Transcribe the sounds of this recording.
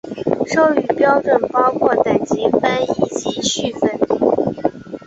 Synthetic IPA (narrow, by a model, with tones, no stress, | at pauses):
ʂo˥ʊy˨˩pjɑ˥ʊʈ͡ʂwə˨˩npɑ˥ʊkʰwɔ˥˩t̪a˨˩nt͡ɕi˧˥fa˥ni˧˥˩t͡ɕii˥ɕy˥˩fə˥˩n